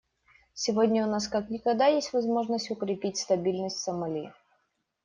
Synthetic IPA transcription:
sʲɪvodʲnʲəʊnaskaknʲɪkɐɡd̪ajesʲtʲvɐzmo̞ʐnəsʲtʲʊkɾʲɪpʲitʲst̪ɐbʲilʲnəsʲtʲsəmɐlʲi

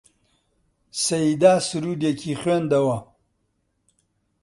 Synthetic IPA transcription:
sɐid̪aːsuɾud̪jekiχwend̪ɐwa

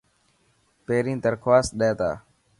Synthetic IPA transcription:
peːɾĩːŋt̪əɾkʰwaːs̚ɗɛːt̪a̰ː

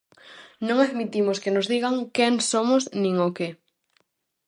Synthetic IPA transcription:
nõŋaðmit̪imoskenozðiɣaŋkɛŋsomosnĩŋoke

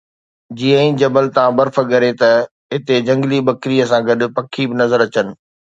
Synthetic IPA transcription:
d͡ʑiːə̃ĩd͡ʑɐbəlt̪ãbɐɾfə̆ɠɐɾet̪ɐ | ɦɪt̪ed͡ʑɐ̃ŋɡlibɐkɾiːəsãɡɐɗʊ̆pɐkʰibɪnɐzəɾɐt͡ɕənɪ̆

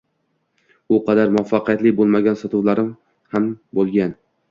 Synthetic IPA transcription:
ʊqʰɑd̪aɾmʊafːaqijat̪lɪbolˠmaɡʲansɒt̪uwlaɾɪm | hambolˠɡʲan

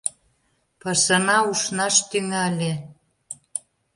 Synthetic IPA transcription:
pəʃə̆nɑuʃnɑʃt̪yŋælʲe

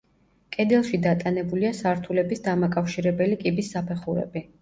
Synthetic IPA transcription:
kʼɛd̪ɛlˠʃid̪at̪ʼanɛbuliasaɾt̪ʰulɛbisd̪amakʼafʃiɾɛbɛlikʼibisːapʰɛχuɾɛ̰bi

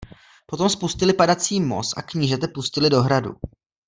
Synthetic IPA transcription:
po̞t̪o̞mspuscɪlɪpadat͡siːmo̞̰sa̰kɲiːʒɛt̪ɛpuscɪlɪdo̞ɦɾadṵ

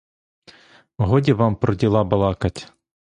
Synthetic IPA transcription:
ɔɦɔdʲiʋɑmpɾɔdʲilˠɑbɐlˠɑkɐtʲ

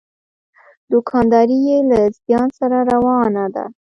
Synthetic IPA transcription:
d̪ʊkʰɑnd̪ɑɾijelazjɑnsaɾaɾawɑnad̪a̰

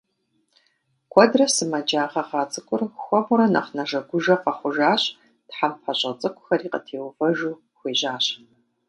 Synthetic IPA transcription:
kʷʰɔdrɐsɨmɐd͡ʒaːʁɐʁɑːt͡sʼɨkʷʼʊrxʷɔmʊɾɐnɐ̰χnɐʒɐɡʷʊʒɐqɐχʷʊʒaːɕ | tħampɐɕʼɐt͡sʼɨkʷʼʊ̥xɐɾiːqə̰tʰeːwvɐʒuː | xʷeːʑaːɕ

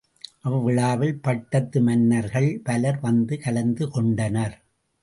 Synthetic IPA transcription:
ʔɐʋɯʋɪɭaːʋɪlpɐʈːɐt̪ːɯmɐnːɐɾɣɐɭpɐlɐɾʋɐnd̪ɯkɐlɐnd̪ɯkɔɳɖɐnɐɾ

